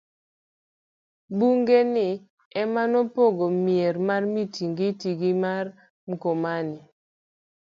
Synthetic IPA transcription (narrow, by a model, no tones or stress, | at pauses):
buŋɡenɪ | ɛmanɔpoɡomieɾmarmitʰiŋɡɪtiɡɪmar | ŋkomanɪ